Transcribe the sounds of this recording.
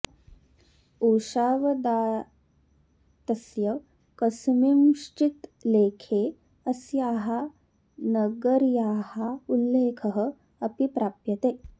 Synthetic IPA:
uːʃaːʋɐd̪aː | t̪ɐsjɐʋ | kəsmimʂt͡ʃit̪leːkʰe | əsjaːɦa | nɐɡəɾjaːhaulːeːkʰəɦə | ɐpipɾaːpjɐt̪eː

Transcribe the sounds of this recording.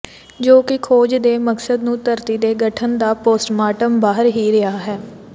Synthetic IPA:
d͡ʒoːkɪkʰoːd͡ʒd̪eːməksəd̪nũːt̪əɾt̪iːd̪eːɡəʈʰənd̪aːpoːsʈmaːʈəmbaːɦəɾɦiːɾɪaːɦɛː

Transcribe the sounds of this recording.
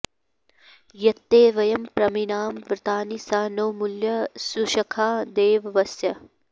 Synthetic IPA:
jɐt̪ːeːʋɐjɐmpɾɐminaːmʋɾɨt̪aːnisaːnoːmuljɐsuʃɐkʰaːd̪eːʋʋɐsjɐ

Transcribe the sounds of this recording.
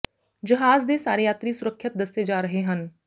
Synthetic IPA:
d͡ʒɐɦaːzd̪esaːɾejaːt̪ɾisʊɾəkʰʃɪt̪̚d̪ɐsed͡ʒaːɾɐɦeɦən

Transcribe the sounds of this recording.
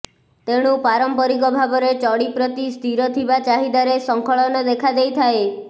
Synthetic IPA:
t̪eɽ̃upaɾɔmpɔɾikɔbʱabɔɾet͡ʃɔɽipɾɔt̪ist̪ʰiɾɔt̪ʰibat͡ʃaɦid̪aɾesɔŋkʰɔɭɔnɔd̪ekʰad̪ejt̪ʰae

